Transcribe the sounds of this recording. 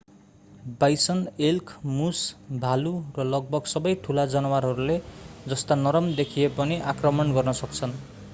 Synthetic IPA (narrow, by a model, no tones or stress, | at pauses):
bajsʌnelkʰmusbʱalurʌlʌɡ̚bʌɡsʌbʌjʈʰulad͡zʌnʌwaɾɦʌɾuled͡zʌst̪anʌɾʌmd̪ekʰijepʌniʔakrʌmʌnɡʌrnʌsʌkt͡sʰʌn